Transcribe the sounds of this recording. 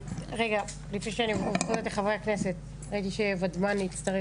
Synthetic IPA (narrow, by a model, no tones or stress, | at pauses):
ʁeɡa | lifniʃeanivχuzet̪leχavʁeakne̞set̪̚ | ait̪iʃevadmaniitt͡st̪aʁe